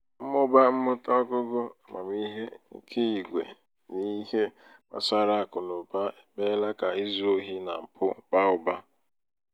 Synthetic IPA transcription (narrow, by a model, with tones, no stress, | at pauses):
m̩˦mʊ˦ba˦m̩˦mʊ˦tɔ˦ɡʊ˦ɡʊ˦a˨mʔa̰˨mi˦ɦe˦ŋ̩˦kʰe˦i˨ɡʷḛ˨ | ni˦he˦ | ma̰˨sa˦ɾa˦a˨kʊ˨no˨ba˦e˦me˦la˦ka˨i˦zo˦ɦi˦na̰˨m̩˨pʰʊ˦˨k͡pa˦ʊ˨ba˦